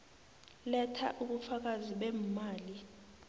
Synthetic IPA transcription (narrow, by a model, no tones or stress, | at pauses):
lɛtʰa̰ʔuɓufak̬aziɓɛmmaːli